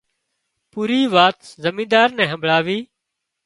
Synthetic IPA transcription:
puːɾiːʋaːt̪zəmĩːd̪aːɾnɛ̃ːɦə̃mbʱɭaːʋiː

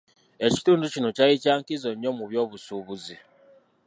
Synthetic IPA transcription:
eci̥tuːndut͡ʃinut͡ʃait͡ʃaːŋkizoɲomuβjoβusuβuzi

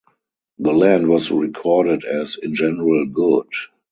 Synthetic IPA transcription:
ðəlæ̃ndwɔsɹikʰɔːdədɛzɪ̃nd͡ʒɛnəɹəlɡʊd

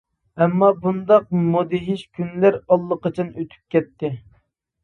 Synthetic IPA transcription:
ɛmːɑbund̪ɑqmod̪ɪɦɪʃkʲʰynlæɾɑlˠːəqʰɑt͡ʃʰɑnøt̪ʰy̥p̚kʲɛt̪ːɪ

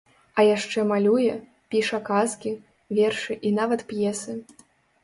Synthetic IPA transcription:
ɐjaʂt͡ʂɛmalʲujɛ | pʲiʂɐkaskʲi | vʲɛrʂɨʔinavɐt̪pjɛsɨ

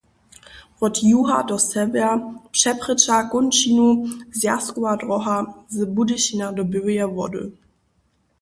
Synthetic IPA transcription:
ʁɔtʰjuɦa̰dɔsɛvɛʃɛpʁ̥ɪt͡ʃaɡʊnt͡ʃinuzjaskuadʁɔɦazəbudɪɕinadɔbyʁjavɔdø̰

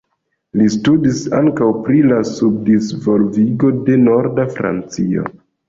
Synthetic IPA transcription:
listudisaŋkawpɾilasub̚disvo̞lviɡo̞de̞no̞ɾdafɾa̰nt͡sio̞̰

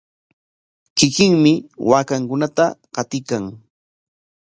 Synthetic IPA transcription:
kɪkɪŋmɪwaːkaŋkʊnat̪aɢɑt̪ɪkaŋ

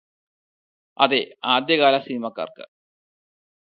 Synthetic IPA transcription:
ɐ̰d̪eaːd̪jɐkaːlasinimɐkːɐ̰rkə̰

